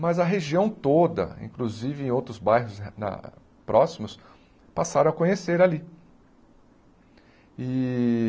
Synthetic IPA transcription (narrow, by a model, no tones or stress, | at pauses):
mɐzɐɦeʒiɐ̃w̃t̪od̪ɐ̰ḭ̃kluzivɪẽj̃owt̪ɾʊzbajɦʊznɐ̰ | pɾʔɔsimʊs | pasaɾɐ̃ɐkõɲeseɾali | ɪ